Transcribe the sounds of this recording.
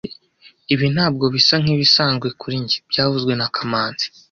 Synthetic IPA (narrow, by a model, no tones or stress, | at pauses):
iβin̥haːb̚ɡo̞βisaŋ̥iβisaːnɡwe̞kuɾiɲɟi̥bɟaːvuzɡwe̞nakʰamaːnz̥i̥